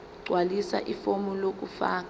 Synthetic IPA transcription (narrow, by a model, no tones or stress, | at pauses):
ǀwalisa̰ʔifomulok̬ufa̰ːk